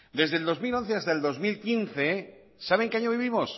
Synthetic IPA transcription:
d̪e̞zðeld̪o̞zmilo̞n̟θeast̪aeld̪o̞zmilkinθe̞ | saβ̞e̞ŋkeaɲoβiβimo̞s

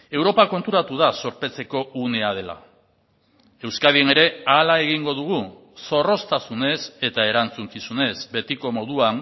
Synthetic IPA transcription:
e̞wɾo̞pako̞nt̪uɾat̪uð̞aso̞ɾpe̞t͡se̞ko̞uneað̞e̞la̰ | e̞wskaðiene̞ɾe̞alae̞ɣ̞iŋɡo̞ðuɣ̞u | so̞ro̞st̪asune̞se̞t̪ae̞ɾant͡suŋkisune̞zbe̞t̪iko̞mo̞ðuan

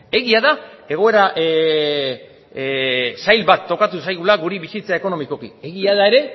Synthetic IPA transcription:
e̞ɣiaða | e̞ɣ̞o̞e̞ɾaʔ | sajlβat̪ːo̞kat̪usajɣulaɣuɾiβisit͡sae̞ko̞no̞miko̞kḭe̞ɣiaðae̞ɾe̞

